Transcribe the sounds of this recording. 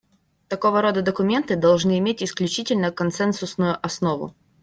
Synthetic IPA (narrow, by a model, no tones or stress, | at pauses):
t̪ɐko̞vəɾo̞d̪əd̪əkʊmʲe̞nt̪ɨd̪ɐlˠʐnɨɪmʲetʲɪsklʲʉt͡ɕitʲɪlʲnəkɐnt̪sɛnsʊsnʊjʊʔɐsno̞vʊ̰